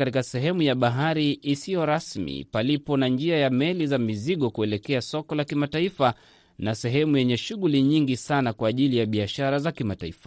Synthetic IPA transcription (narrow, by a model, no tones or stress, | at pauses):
katikasɛɦɛmujaɓaɦaɾiːsijɔɾasmḭpalipɔnand͡ʒiajamɛlizamiziɠɔkuɛlɛkɛasɔkɔlakimataifa | nasɛɦɛmujɛɲɛʃuɣuliɲiŋɡisanakwaːʄilijaɓiaʃaɾazakimataḭfḁ